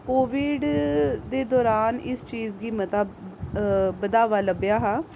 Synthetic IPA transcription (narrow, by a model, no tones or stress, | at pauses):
koːʋɪːɖd̪eːd̪ɔːɾaːnɪst͡ʃiːzɡiːmət̪aː | bəd̪aːʋaːləbɪjaːɦaː